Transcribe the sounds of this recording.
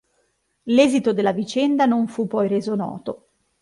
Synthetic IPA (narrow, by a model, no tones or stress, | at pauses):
lɛːzit̪od̪elːavit͡ʃɛnd̪anoɱfupːɔjreːzonɔ̰ːt̪o